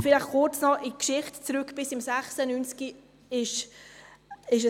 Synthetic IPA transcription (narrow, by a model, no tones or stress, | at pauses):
fɪlaχkʊt͡snɔɪkʃɪχtt͡sɾʏkb̥ɪsɪmsæχsənynski | ɪʃ | ɪʃə